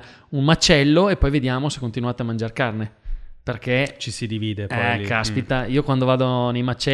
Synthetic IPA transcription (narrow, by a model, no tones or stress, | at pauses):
unmat͡ʃːɛlːoepːɔjved̪jaːmose̥kːont̪inuaːt̪eamand͡ʒarkarneperket͡ʃisid̪iviːd̪epɛkːaspit̪aiokwand̪ovaːd̪onejmat͡ʃːɛ